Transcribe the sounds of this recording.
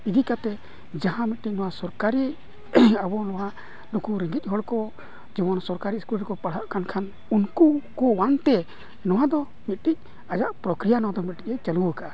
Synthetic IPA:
id̪ikat̪ɛ | d͡ʒaɦãmit̪̚ʈic̚nɔwasɔɾkaɾi | abɔnɔwa | lukuɾiŋɡic̚ɦɔɽkɔ | d͡ʒibɔnsɔɾkaɾiskulɛɾkɔpaɽ̤aʔkankʰan | unkukɔwant̪ɛ | nɔwad̪ɔ | mit̪̚ˀʈic̚ | ad͡ʒaʔpɾɔkɾijanɔwad̪ɔmit̪̚ʈic̚ɛt͡ʃaluwəka

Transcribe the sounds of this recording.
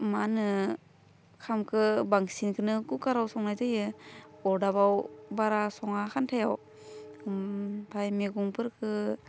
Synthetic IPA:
manɯ | kʰamkʰɯbaŋsinkʰɯnɯkukaɾawsɔŋnajzajɯɔɾdabawbaɾasɔŋaxʰantʰajaw | pʰajmeɡuŋpʰɯɾkʰɯ

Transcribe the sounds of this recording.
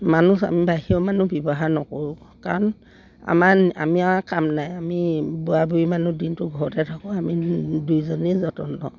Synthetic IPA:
manusa̰mibaɦiɔmanubɔbɔɦaɹnɔkoɹu | ka̰ɹɔn | a̰mana̰miaakamnajamibuabuimanudintʊɡʱɔɹɔtɛtʰakɔ̃amidujzɔnizɔtɔnːɔ̰

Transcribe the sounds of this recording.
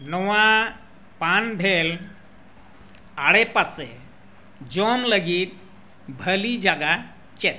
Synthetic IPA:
nɔʋa | panbʱel | aɽepase | d͡ʒɔmləɡiːt̪̚ | bʱəlid͡ʒaɡa | t͡ʃet̪̚

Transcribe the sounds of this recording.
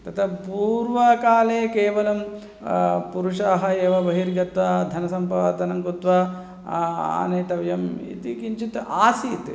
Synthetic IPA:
t̪ɐt̪ʰɐpuːɾʋɐkaːleːkeːʋɐlɐm | puɾuʂaːɦɐeːʋɐbɐɦiɾɡɐt̪ʋɐd̪ʱɐnɐsɐmpaːd̪ɐnɐŋkut̪ʋɐ | a̰ːneːt̪ɐʋjɐmḭt̪ikiɲt͡ʃit̪aːsiːt̪

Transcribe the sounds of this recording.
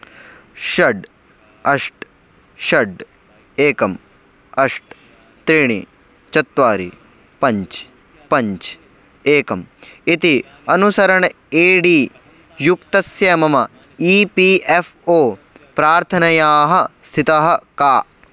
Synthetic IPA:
ʃɐɖ | ɐʂʈ | ʃɐɖ | eːkɐm | ɐʂʈ | t̪ɾiːɳ̃ḭ | t͡ʃɐt̪ʋaːɾḭ | pɐɲt͡ʃ | pɐɲt͡ʃ | eːkɐmit̪i | ɐnusɐɾɐɳ | eːɖiː | jukt̪ɐsjɐmɐmɐ | iːpiːʔefʰoː | pɾaːɾt̪ʰɐnɐjaːɦɐst̪ʰit̪ɐɦɐ̆kaː

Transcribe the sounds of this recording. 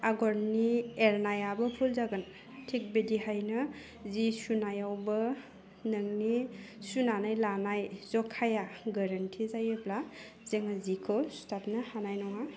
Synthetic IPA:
aɡɔɾnieɾnajabɐpʰulzaɡɯn | tʰik̚bedihajnɯ | zisunajawbɯ | nɯŋnisunanajlanajzɔkʰːajaɡaɾantʰizajebla | zeŋazikʰɯstap̚nɯhanajnɔŋa

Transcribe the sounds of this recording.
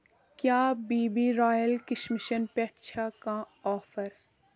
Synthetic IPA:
kjaːbiːbiɾɔːjəlkɪʃmɪʃənpɛkt͡ʃʰakã | ɔːfʰəɾ

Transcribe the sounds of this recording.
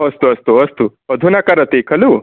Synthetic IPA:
əst̪oəst̪oəst̪u | əd̪ʱunakaɾət̪ekʰɐluː

